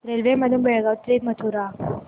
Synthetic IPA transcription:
ɾelʋeməd̪ʱjunbɛɭɡaʋt̪lemət̪ʰuɾa

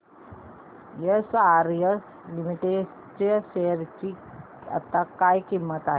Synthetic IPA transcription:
jəsaɾjəs | limiʈe | t͡ɕəɕeəɾt͡ɕi | ə̰t̪ːakajkimːət̪aɦ

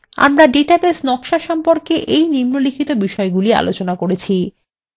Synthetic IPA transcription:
a̰mɾaɖeʈabesnɔkʃaʃɔmpoɾkeʔejnimnolikʰit̪obiʃɔeɡulia̰lot͡ɕonakoɾet͡ɕʰi

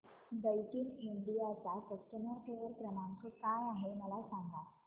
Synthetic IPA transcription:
bəjʈiŋiɳɖijat͡sakəsʈəməɾʈʰeʋəɾkɾəmãnkokajaɦeməlasãŋɡa

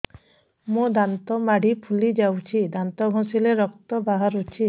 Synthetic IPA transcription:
mũd̪ant̪ɔmaɽ̤ʱipʰulid͡ʒawt͡ʃʰid̪ant̪ɔɡʱɔ̃sileɾɔkt̪ɔbaɦaɾut͡ʃʰi

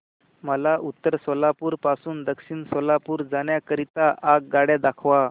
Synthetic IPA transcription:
məlaʔut̪ːəɾsɔlapuːɾpasuːnd̪əkɕiːnsɔlapuːɾd͡zaɳjakəɾit̪aʔaɡ̚ɡaɽjad̪akʰʋa

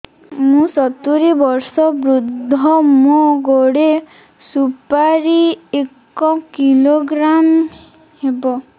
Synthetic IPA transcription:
mũsɔt̪uɾibɔɾsɔbɾud̪ʱːɔmũɡoɽe | supaɾiek | ɔkiloɡɾam | hebɔ

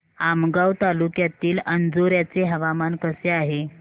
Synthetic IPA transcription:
amɡawt̪alukjat̪iːlənd͡zoɾjat͡seɦəʋamankəseaɦe

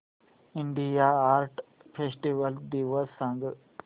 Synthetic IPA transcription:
ɪɳɖijaaːɾʈpʰeːsʈiʋəld̪iːʋəssãŋɡ

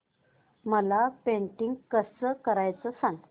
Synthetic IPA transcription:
məlapeɳʈiŋɡkəsəkəɾajt͡səsaŋɡ

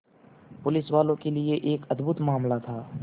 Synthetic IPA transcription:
pʊlɪswaːlõkelieʔeːkɐd̪bʱʊt̪maːmlat̪ʰaː

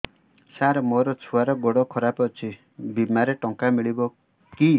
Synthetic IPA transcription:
saɾmoɾɔt͡sʰuaɾɔɡɔɽɔkʰɔɾapʌt͡sʰi | bimaɾeʈɔŋkamiɭibo | ki

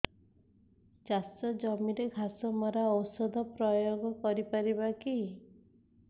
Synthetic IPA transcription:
d͡ʒasɔd͡ʒɔmiɾeɡʱasɔmɔɾaɔwsɔd̪ʱɔpɾɔjoɡɔkɔɾipaɾiβaki

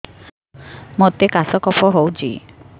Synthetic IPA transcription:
mot̪ekasɔkɔpʰɔɦowt͡ʃʰḭ

